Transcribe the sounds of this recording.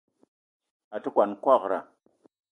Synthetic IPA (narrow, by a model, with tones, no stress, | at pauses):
a˨ti˦kʷa˨nkʷa˦˨kɾa̰˨